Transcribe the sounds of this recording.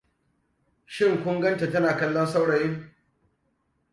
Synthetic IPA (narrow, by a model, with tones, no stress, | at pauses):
ʃɪ˦ŋkʷʊ˦ŋɡɐ˦nte˨tɐ˦naː˨kɐ˦lːɐ˦nsa˦wɽɐ˨jɪ˦ŋ